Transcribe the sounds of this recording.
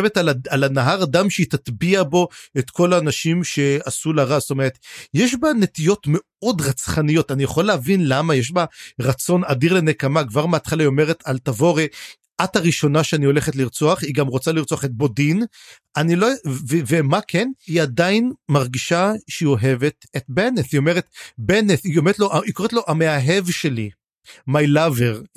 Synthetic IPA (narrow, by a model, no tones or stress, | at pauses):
evetalalanaɦaʁadamʃeit̪at̪biabo̞et̪ko̞laːnaʃimʃe̞asulaʁast̪o̞meʁet̪jeʃbane̞tijo̞tme̞ | o̞dʁat͡sχanijo̞t̪anijaχolːehavinlamajeʃ̬baʁat͡so̞nadiʁle̞nekamakvaʁmeat̪χalajo̞me̞ʁet̪alt̪avo̞ʁe | ʔataʁiʃo̞naʃeanio̞le̞χetliʁt͡soaχiɡamʁot͡saliʁt͡soaχet̪̚bo̞din | anilovevemakʰeniadainmaʁɡiʃaʃeio̞ɦe̞ve̞t̪et̚beneθio̞meʁet̪beneθiomeʁtlo̞ʔaikoet̪lo̞ʔameaɦevʃe̞li | majlaveʁ